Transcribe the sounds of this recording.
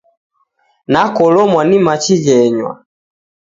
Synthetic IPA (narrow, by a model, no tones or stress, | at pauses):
nakɔlɔmwanimat͡ʃid͡ʒɛɲwa̰